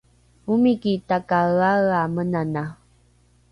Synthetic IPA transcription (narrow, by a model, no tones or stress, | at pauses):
umikitakaɣaɣamənana